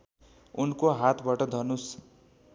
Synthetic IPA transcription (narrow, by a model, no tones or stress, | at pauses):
unkoɦat̪ʰbaʈʌd̪ʱʌnus